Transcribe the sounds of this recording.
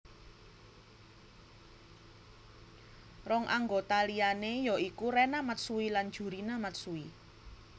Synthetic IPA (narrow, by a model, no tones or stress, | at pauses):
rɔŋʔaŋɡot̪alianejɔikuɾɛnamat̪̚suwilan̥ʒ̥ṳɾinamat̪̚sui